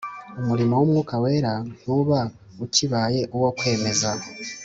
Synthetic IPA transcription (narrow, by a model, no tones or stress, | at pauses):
umuɾimo̞wumŋuːkawe̞ːɾan̥uːβa | uciβaːje̞ʔuwokwe̞ːme̞za